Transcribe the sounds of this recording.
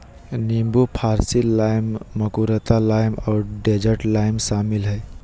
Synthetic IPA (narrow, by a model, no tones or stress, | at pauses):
nimbupʰaɾsilajmːəkuɾət̪alajmɔːɾɖed͡ʒəʈlaɪmsamilɦəj